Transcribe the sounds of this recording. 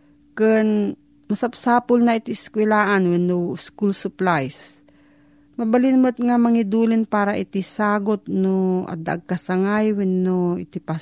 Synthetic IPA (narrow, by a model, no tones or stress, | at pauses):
kɨn | mɐsap̚saːpʊlnɐɪt̪iɪskwɛlaːʔanwɛnːoskulsʊplajs | mɐbɐlɪnmʊt̪̚ŋamɐŋɪd̪uːlɪnpaːɾɐʔɪt̪ɪsaːɡot̪̚noʔɐ̰d̪aʔaɡ̚kɐsɐŋajwɛnːoɪt̪ɪpa